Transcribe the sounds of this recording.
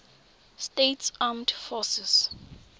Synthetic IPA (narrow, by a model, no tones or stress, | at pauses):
stetsamdfɔsɛs